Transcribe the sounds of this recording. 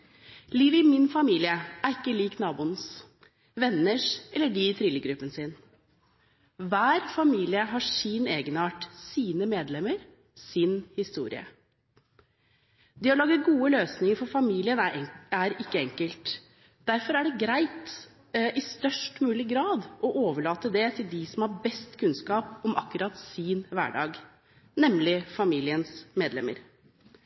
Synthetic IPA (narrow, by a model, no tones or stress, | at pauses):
liːʋəɪmɪnfɑmiːlɪəʔæɾɪkːəliːknɑːbuːnəs | ʋɛnːəʂɛlːəɖit̪ʰɾɪləɡɾʉpːənsɪn | ʋæːɾfɑmiːlɪəɦɑʂiːneːɡənɑːʈsiːnəmeːd̪lɛməɾ | sɪnhɪst̪ṵːɾɪ̰ə̰ | d̪ɪhɑlɑːɡ̪əɡuːəløːsnɪŋəɾfɔɾfɑmiːlɪənæɾɪkːəɛŋkəlt̪ | d̪æɾfɔɾæɖɛɡɾæɪt̪ | ʔɪst̪œʂʈmʉːlɪɡɾɑːd̪ʔɔʔoːʋəɭɑːt̪əd̪ɛt̪ʰɪld̪ɪsɔmhɑɾbɛst̪kʰʉnskɑːpɔmʔɑ̰kːʉɾɑt̪siːnʋæ̰ːɖɑ̰ːɡ | nɛmlɪfɑmiːlɪənsmeːd̪lɛ̰mːə̰ɾ